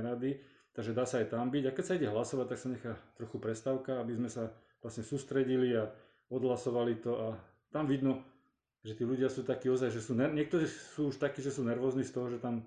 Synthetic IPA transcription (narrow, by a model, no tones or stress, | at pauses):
ɾad̪i | t̪aɡʒɛd̪aːsaːjt̪ambiɟakɛcsaiɟɛɦlasɔʋac̚t̪aksaɲɛxaːt̪ɾɔxupɾɛst̪aʊkaabizmɛsa | ʋlasɲɛsuːst̪ɾɛɟilia | ɔd̪ɦlasɔʋalit̪ɔa | t̪amʋid̪nɔ | ʒɛt̪iːluɟɪasuːt̪akiːɔzajʒɛsuːnɛɲɪɛk̚t̪ɔɾiːsuːuʃt̪akiːʒɛsuːnɛɾʋɔːzniːst̪ɔɦɔʒɛt̪am